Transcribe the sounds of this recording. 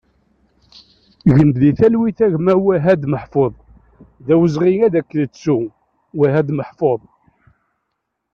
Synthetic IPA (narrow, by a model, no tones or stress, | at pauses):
ʝənb̪ðiθælwiθæʝmæwæɦæd̪məħfoðˤ | ðæwəzʁiŋæðækːələt͡sːu | wæɦæd̪məħfoðˤ